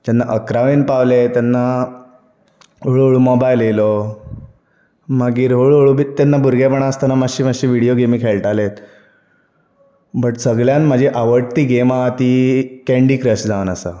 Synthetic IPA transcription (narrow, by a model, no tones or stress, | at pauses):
t̪anːaʔəkɾaʋenpaʋlet̪janːa | ɦoɭɦoɭumɔbajlelo | maɡiːɾɦoɭoɭubit̪anːabuɾɡapəɳaəst̪anamaɕiːmaɕiːʋiɽijoɡemiːkʰeɭʈalet̪ | bəʈsəɡɭjanmad͡ʑʱiʔaʋəɽt̪iːɡemat̪ikɛ̃ɳɖiːkɾəsd͡zʱaʋənasa̰